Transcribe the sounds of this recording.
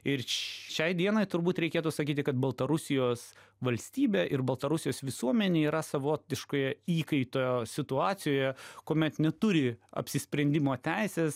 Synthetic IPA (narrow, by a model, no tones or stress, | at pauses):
ɪrʃʲɛɪd̪ʲiɛnoːɪt̪ʊɾbuːt̪ɾʲɛɪkʲeːt̪uːsɐkʲiːt̪ʲɪkɐt̪̚bɐlˠt̪ɐɾʊsʲɪjoːs | ʋɐlʲsʲt̪ʲiːbʲeːʔɪrbɐlˠt̪ɐɾʊsʲɪjoːsʋʲɪsuɔmʲɛnʲeːiːɾɐsɐʋoːt̪ʲɪʃkoːjɛiːkɐɪt̪oːjoːsʲɪt̪ʊɑːsʲɪjoːjɛkoːmʲɛt̪nʲɛt̪ʊɾʲɪɐ̰pʲsʲɪsʲpʲɾʲɛnʲd̪ʲɪmoːt̪ʲæɪsʲeːs